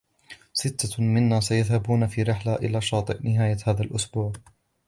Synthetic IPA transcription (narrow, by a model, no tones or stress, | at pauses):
sɪt̪ʰːamɪnːaːsajaðhabuːnafiːɾɪħlaʔɪ̰laːʃɑːt̪ˤɨʔnɪɦaːjahaːðalʔʊsbuːʕ